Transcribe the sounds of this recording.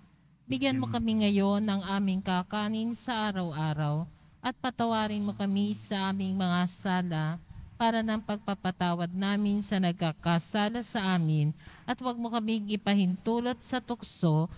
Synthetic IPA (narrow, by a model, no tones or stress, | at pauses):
bɪɡjɐnmo̞kɐmɪŋɐjo̞nːɐŋʔaːmɪŋkakaːnɪnsɐʔaːɾɐwʔaːɾɐw | ʔɐt̪̚pɐt̪ɐwaːɾɪnmo̞kɐmisɐʔaːmɪŋmɐŋasaːlɐpaːɾɐnɐŋpɐɡ̚pɐpɐt̪aːwɐd̪̚naːmɪnsɐnɐɡ̚kakasaːlɐsɐʔaːmɪnʔɐt̪wɐɡ̚mokɐmɪŋɪpɐhɪnt̪uːlo̞t̪̚sɐt̪ʊkso̞